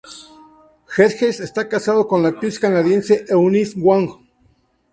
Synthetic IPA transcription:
xeɾxesest̪akasaðokonlapiskanaðjenseʔeunisɡwaŋ

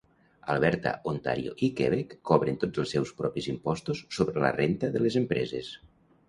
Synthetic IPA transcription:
alˠβɛɾt̪a̰ʔont̪a̰ɾjo̰ʔikeβekːɔβɾent̪od͡zəlˠsɛwspɾɔpizimpɔst̪usːoβɾələ̰rent̪əðəlezempɾɛzes

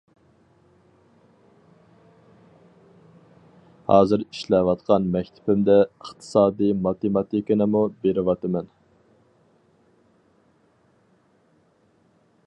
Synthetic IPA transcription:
hɑ̰ːzɨɾiʃlɛwɑt̪qʰɑnmɛkʲt̪ʰɪ̥pɪmd̪ɛəχt̪ʰɨ̥sɑːd̪ɨmɑt̪emɑt̪ʰikʲinɪmubeɾɪwɑt̪ɨmɛn

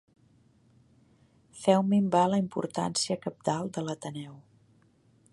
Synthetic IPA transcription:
fɛwmimbaləimpṵɾt̪a̰nsiəkəp̚t̪alˠd̪ələt̪ənɛw

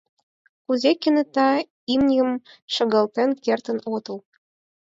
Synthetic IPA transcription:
kuzekɘ̆nĕt̪ɑ | imnʲiə̆mʃɤ̆ɣə̆lt̪enkert̪ə̆not̪ɤ̆l

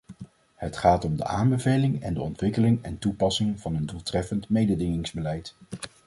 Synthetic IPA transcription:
hətχaːtɔmdə̰ʔaːmbəvejlɪŋɛndəɔntʋɪkəlɪŋɛntupɑsɪŋv̥ɑnəndulˠtrɛfəntmejdədɪŋɪŋzbəlɛjt

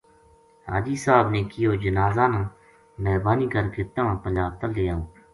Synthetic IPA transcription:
ɦa̰ːd͡ʒiːsaːbneːkɪjoːd͡ʒənaːzaːnãː | mɛːɾbaːniːkəɾket̪ãːãːpəɲd͡ʒaːb̚t̪əlːeːjãː

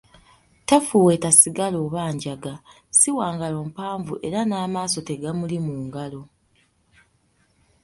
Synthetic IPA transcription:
tafuːwe̞ːtasiɡalo̞ːβaːɲɟaɡa | siwaːŋɡalo̞ːmpaːɱvuʔe̞ɾanaːmaːso̞te̞ɡamulimuːŋɡalo̞

